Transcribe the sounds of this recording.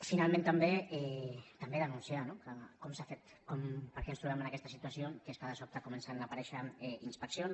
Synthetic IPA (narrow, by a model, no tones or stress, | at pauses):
finalˠmẽnt̪ambeɛt̪ambeðənunsianokakɔmsafet̪ | kɔmpəɾkɛenst̪ɾuβɛmənakɛst̪əsit̪uasiokeskaðəsɔk̚t̪akumənsanapaɾɛʃaɛinspəksjon